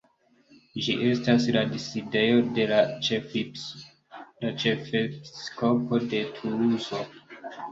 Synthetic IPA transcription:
d͡ʒiʔe̞stasladiside̞jo̞de̞lat͡ʃef | lat͡ʃefepisko̞po̞de̞tʰunuzo̞

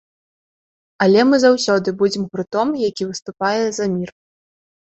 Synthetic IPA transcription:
alʲɛmɨzawsʲɔd̪ɨbud͡zʲɛmɣɾɨt̪ɔmjakʲivɨst̪upajɛzɐmʲir

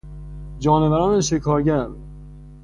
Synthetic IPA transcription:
d͡ʒɒːnevæɾɒːneʃekʰɒːɾɟæɾ

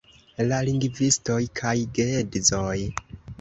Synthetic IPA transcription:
laliŋɡvisto̞jkʰajɡeedzo̞j

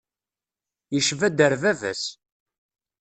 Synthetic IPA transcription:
jəʃvæd̪əɾvævæ̰s

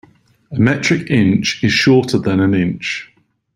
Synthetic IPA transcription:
əmɛt͡ʃɹ̥ɪkɪ̃nt͡ʃɪz̥ʃɔˑtʰəðə̃nə̃nɪ̃nt͡ʃ

